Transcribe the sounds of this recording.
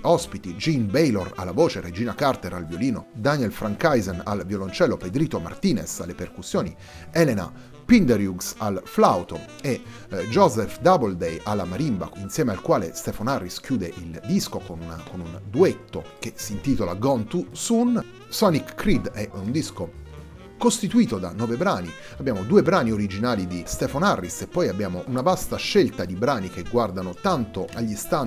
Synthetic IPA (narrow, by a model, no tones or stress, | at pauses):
ɔspit̪id͡ʒinbejlora̰lːavoːt͡ʃered͡ʒiːnakart̪eɾalvjoliːno̰d̪aniɛlfɾaŋkajzena̰lvjolont͡ʃɛlːoped̪ɾiːt̪oma̰rt̪iːnesa̰lːeperkusːjoːni | ɛlena̰ | pind̪eɾjuɡsalflawt̪o | e | d͡ʒɔzɛfd̪abold̪ejʔalːamaɾimba̰insjɛːmealkwaːlest̪ɛfanarːisk̟juːd̪eʔild̪iskokonunkonund̪uet̪ːo̰k̟esiːnt̪iːt̪olaɡɔnt̪usun | sɔnikːɾid̪ɛund̪isko | kost̪it̪uiːt̪od̪a̰nːɔːvebɾaːni | abːjaːmod̪uːebɾaːnioɾid͡ʒinaːlid̪ist̪ɛfanarːisepːɔjabːjaːmoʔunavast̪aʃːelt̪ad̪ibɾaːnik̟eɡːward̪anot̪ant̪oʔaʎːist̪a